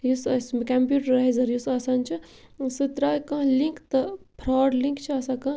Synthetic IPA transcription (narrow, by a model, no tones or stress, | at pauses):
jusɐsmkɐmpjuːʈɾaizɐɾjusɐsant͡ʃʰisɨt̪ɾaːjkɐ̃ɦlĩŋkt̪ɨpʰɾaːɖliŋkt͡ʃʰiɐsakɐ̃